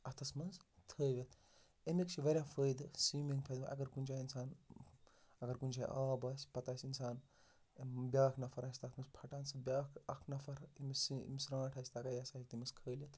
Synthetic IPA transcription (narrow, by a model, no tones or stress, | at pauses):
ɐt̪ʰɐsmɐnzt̪ʰəːʋʲɐt̪ʰ | emikt͡ʃʰiʋɐɾʲjãːpʰəːjd̪ɨsimiŋpʰɐd̪ʔɐ̰ɡɐɾkunʲt͡ʃʰaːinsaːn | ɐɡɐɾkunʲt͡ʃʰaːʔaːbɐːsʲpɐt̪aːsʲinsaːn | bʲjaːkʰnɐfʰɐɾɐːsʲt̪ʰɐt̪ʰmɐzpʰɐʈaːnsɨbʲaːkʰɐkʰnɐfʰɐɾimisḭmisɾãːʈʰɐsʲt̪akaːjasaɦik̚t̪imɐskʰəːlɐt̪ʰ